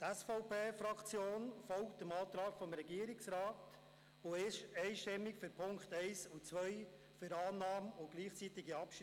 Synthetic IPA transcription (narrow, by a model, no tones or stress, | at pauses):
t̪ɛsfɔʊpeːfɾɑkt͡sjoːnfɔwktəmɑːt̪ɾɑːkfɔmɾɛɡiːəɾɪksɾɑːt | oɛɪʃtɛmːɪkfʏɾpʰʊŋkχt̪ɛɪsut͡sʋœɪ | fyɾɑːnɑːmʊɡ̥liːχt͡sit̪ɪɡiɑpʃ